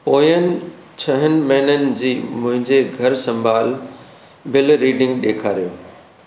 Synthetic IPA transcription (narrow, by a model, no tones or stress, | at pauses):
poːjənɪ̆ | t͡ɕʰɐɦənɪ̆mɛɦnənɪ̆d͡ʑiːmʊ̃ɦɪ̃ɲd͡ʑeɡʱɐɾsɐ̃mbʱaːl | bɪlɾiːɖɪ̃ŋɡɗeːkʰaːɾijoː